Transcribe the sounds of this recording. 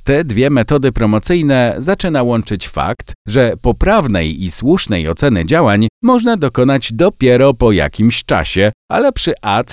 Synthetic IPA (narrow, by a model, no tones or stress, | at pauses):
t̪ɛd̪vʲjɛmɛt̪ɔd̪ɘpɾɔmɔt̪sɘjnɛzat͡ʂɘnawɔnt͡ʂɘt͡ɕfa̰kt̪ʐɛpɔpɾavnɛ̰jiswuʂnɛjɔt̪sɛnɘ̰d͡ʑawaɲmɔʐnad̪ɔkɔn̪ad͡ʑd̪ɔpʲjɛɾɔpɔja̰kʲimɕt͡ʂa̰ɕɛa̰lɛpʂɘʔat̪